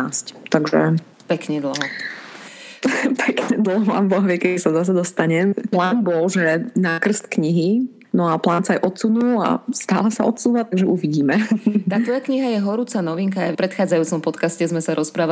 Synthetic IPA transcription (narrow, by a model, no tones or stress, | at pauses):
asct̪aɡʒɛ̰ | pɛkɲɛd̪l̩ɦɔ | pʰɛkɲɛd̪l̩ɦɔmbɔɦʋjɛkɛisazas̬ɛd̪ɔst̪aɲɛmplaːnbɔlʒɛnakr̩st̪kɲiɦi | nɔaplaːnsajʔɔt̪t͡sunula̰st̪a̰ːlasaɔt̪suːʋat̪aɡʒɛʔuʋiɟiːmɛaːt̪ʋɔjakɲiɦajɛɦɔɾuːt͡sanɔʋiŋkaːjpɾɛt̪xaːd͡zajuːt͡sɔmpɔt̪kascɛzmɛsaɾʔɔspɾaːʋa